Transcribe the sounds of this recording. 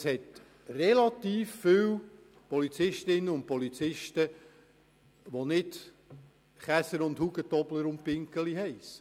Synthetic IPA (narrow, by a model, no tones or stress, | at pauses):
shɛt | rɛlɑtiːfːiw | pɔlit͡sɪʃtɪnːəʊnt̚pɔlit͡sɪʃtə | ʋonɪt | χæsəɾʊndhuɡətɔbləɾʊnt̚pɪŋkəliɦɛɪs